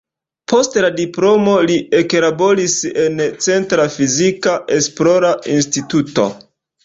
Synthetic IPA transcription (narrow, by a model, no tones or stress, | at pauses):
pʰo̞stladiplo̞mo̞lie̞klabo̞ɾise̞nt͡se̞ntɾafizikaʔe̞splo̞ɾainstituto̰